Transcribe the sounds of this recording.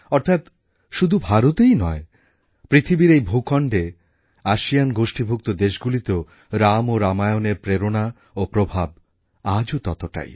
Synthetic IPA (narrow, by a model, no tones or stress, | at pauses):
ɔɾt̪ʰat̪ | ʃud̪ʱubʱaɾot̪ejnɔe | pɾit̪ʰibiɾejbʱukɔɳɖe | aʃijanɡoʃʈibʱuk̚t̪od̪eʃɡulit̪e | ɾamoɾamajoneɾpɾeɾona | opɾobʱab | ad͡ʑot̪ɔt̪oʈa̰j